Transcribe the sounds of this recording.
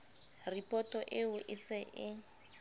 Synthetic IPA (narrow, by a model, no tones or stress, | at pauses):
ripʼɔtɔʔɪʊʔɪsɪʔɪ